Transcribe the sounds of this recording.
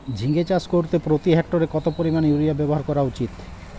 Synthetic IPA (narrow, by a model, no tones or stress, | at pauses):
d͡ʑʱiŋɡet͡ɕaskoɾt̪epɾot̪iɦɛk̚ʈoɾekɔt̪opoɾimanejuɾiabɛboɦaɾkɔɾaut͡ɕit̪